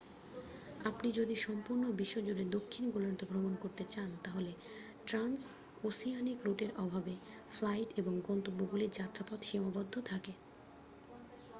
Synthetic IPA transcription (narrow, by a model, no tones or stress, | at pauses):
apnid͡ʑod̪iʃɔmpuɾnobiʃːod͡ʑuɖed̪okʰːinɡoloɾt̪ʰoɡɾomonkoɾt̪et͡ɕant̪aɦole | ʈɾans | osijanikɾoʈeɾɔbʱabe | flajʈeboŋɡɔnt̪obːoɡuliɾd͡ʑat̪ːɾapɔt̪ʃimabɔd̪ʱːot̪ʰake